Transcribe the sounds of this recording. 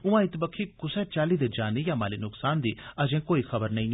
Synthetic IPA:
ʊãːɪt̪bəkʰiːkʊsɛːt͡ʃaːliːd̪ed͡ʒaːniːjãːmaːliːnʊksaːnd̪iːəd͡ʒẽːkoːiːxʰəbəɾnəĩː

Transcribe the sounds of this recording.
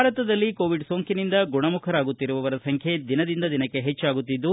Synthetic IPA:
aːɾɐt̪ɐd̪ɐlːikoːʋiɖso̞ːŋkinind̪ɐɡuɳɐmukʰɐɾaːɡut̪ːiɾuʋɐʋɐɾɐsɐŋkʰje̞d̪inɐd̪ind̪ɐd̪inɐkːe̞ɦet͡ʃːaːɡut̪ːid̪ːu

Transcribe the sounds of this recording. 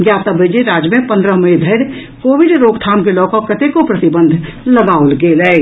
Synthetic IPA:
ɡjaːt̪abəd͡ʒeɾaːd͡ʒmẽpə̃nd̪ɾəɦməid̪ʱəɪɾ | koːʋɪɖɾoːɡt̪ʰaːmkelɔːkəkːət̪ekopɾət̪ɪbə̃nd̪ʱləɡaːolɡelɛ

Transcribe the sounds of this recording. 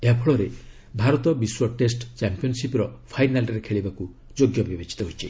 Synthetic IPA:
apʰɔɭɔɾe | bʱaɾɔt̪ɔbiswɔʈesʈt͡ʃampiɔnsipɾɔpʰajnalɾekʰeɭibaku | d͡ʒoɡjɔbibet͡ʃi̥t̪ɔɦojt͡ʃʰi

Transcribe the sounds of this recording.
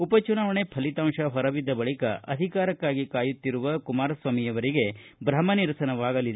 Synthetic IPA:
upɐt͡ʃunaːʋɐɳepʰɐlit̪aːmʂɐɦɐɾɐʋid̪ːɐbɐɭikɐ̰ʔɐ̰d̪ʱikaːɾɐkːaːɡikaːjut̪ːiɾuʋɐkumaːɾɐsʋaːmijɐʋɐɾiɡe̞ | bɾɐmɐniɾɐsɐnɐʋaːɡɐlid̪e

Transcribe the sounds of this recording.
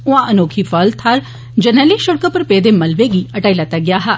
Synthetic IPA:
ʊãːʔənoːkʰiːfʰəlt̪ʰaɾ | d͡ʒənɛːleːʃʊɽkəpəɾpeːd̪eːməlʋeːɡiːəʈaːilat̪ːaːɡɪjaːɦaː

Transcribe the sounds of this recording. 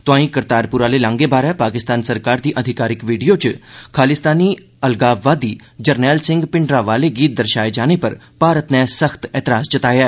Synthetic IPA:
t̪ʊãːĩːkəɾt̪aːɾpʊɾaːleːlãːŋɡebaːɾɛ̃ːpaːkɪst̪aːnsəɾkaːɾd̪iːʔəd̪ʱɪkaːɾɪkʋiːɖijoːt͡ʃkʰaːlɪst̪aːniː | əlɡaːʋaːd̪iːd͡ʒəɾnɛːlsɪ̃ŋɡpɪɳɖɾaːʋaːleːɡiːt̪̚d̪əɾʃaːed͡ʒaːnepə̰ɾ | paːɾət̪nɛ̃ːsəxt̪ɛːt̪ɪɾaːsd͡ʒət̪aːjɛː

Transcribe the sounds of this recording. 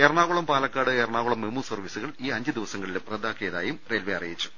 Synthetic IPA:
erɳaːɣuɭɐmpaːlɐkːaːɽɨerɳaːɣuɭɐmːemuːsɐrʋisuɣɐɭiːɐɲd͡ʑɨd̪iʋɐsɐŋːɡɐɭilumrɐd̪ːaːkːeːɐðaːjumreːlʋeɐrijit͡ɕːu̥

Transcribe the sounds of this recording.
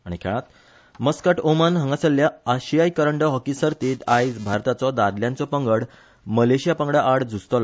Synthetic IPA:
aɽ̃ikʰɛ̰ɭ̃ãt̪ | məskəʈomanɦə̃ŋɡasəlːjaəɕijajkəɾəɳɖɔɦɔkisəɾt̪iːt̪ajd͡zbʱaɾt̪at͡sɔd̪ad̪ljãnt͡sɔpəŋɡəɽ | məleɕijapəŋɡɽaʔaɽd͡zust̪ɔla

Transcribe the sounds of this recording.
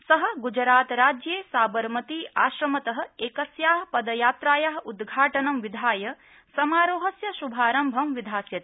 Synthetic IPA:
sɐɦɐ̆ɡud͡ʒɾaːt̪ɾaːd͡ʒjeːsaːbɐɾmɐt̪iːaːʃɾɐmɐt̪ɐɦɐ̆eːkɐsjaːɦɐpɐd̪ɐjaːt̪ɾaːjɐɦɐud̪ɡʱaːʈɐnɐmʋid̪ʱaːjɐ | sɐmaːɾoːɦɐsjɐʃubʱaːɾɐmbʱɐmʋid̪ʱaːsjɐt̪e

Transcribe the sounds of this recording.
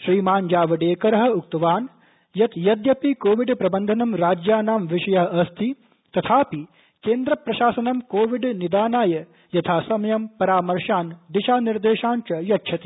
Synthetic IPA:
ʃɾiːmaːɲd͡ʒaːʋɐɖeːkɐɾɐɦɐ̆uk̚t̪ɐʋaːn | jɐt̪jɐd̪jɐpikoːʋiɖpɾɐbɐnd̪ʱɐnɐmɾaːd͡ʒjaːnaːmʋiʃɐjɐɦɐɐst̪ʰi | t̪ɐt̪ʰaːpi | keːnd̪ɾɐpɾɐʃaːsɐnɐmkoːʋiɖnid̪aːnaːjɐ | jɐt̪ʰaːsɐmɐjɐmpɐɾaːmɐɾʃaːnd̪iʃaːniɾd̪eːʃaːnt͡ʃɐjɐtt͡ʃʰɐt̪i

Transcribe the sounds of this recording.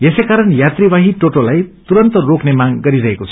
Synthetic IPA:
esekaɾʌnjat̪ribaɦiʈoʈolajt̪uɾʌnt̪ʌroknemaɡɡʌɾiɾʌɦekot͡sʰʌ

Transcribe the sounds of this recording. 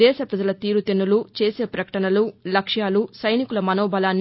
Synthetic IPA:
ɛːʃɐpɾɐd͡ʒɐlɐt̪iːɾut̪inːulut͡ʃe̞ːse̞ːpɾɐkɐ̥ʈɐnɐlulɐkʂjaːlusɐjnikulɐmɐnoːbɐlaːnː

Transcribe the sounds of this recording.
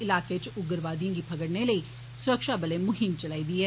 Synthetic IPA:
ɪlaːket͡ʃʊɡəɾʋaːd̪ijãːɡipʰəɡəɽneləi | sʊɾəkʃabəlemʊɦɪmt͡ʃəlaːiːd̪iːɦɛː

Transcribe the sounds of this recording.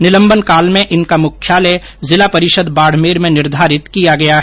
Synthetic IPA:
nɪlə̃mbənkaːlmẽʔɪnkamʊkʰːjaːle | zɪlapɐɾɪʃəd̪baːɽ̤meːɾmẽnɪɾd̪ʱaːɾɪt̪kijaɡɐjaɦ

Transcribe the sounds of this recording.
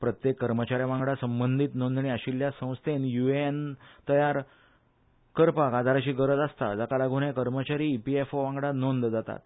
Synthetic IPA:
pɾət̪jekːəɾmət͡ɕaɾjaʋãŋɡɽasəmbənd̪ʱiːt̪nõnd̪ʱɳiːaɕiljasə̃w̃st̪ʰenjuent̪əjaɾ | kəɾpakad̪ʱaɾaɕiːɡəɾəd͡z̪ast̪a̰d͡zakalaɡʱuɽjekəɾmət͡ɕaɾiːpiefoʋãŋɡɽanond̪d͡zat̪a̰t̪

